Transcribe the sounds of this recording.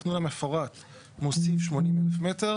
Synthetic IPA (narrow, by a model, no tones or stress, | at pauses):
nulamefoʁat | mosifʃmo̞nimelefme̞teʁ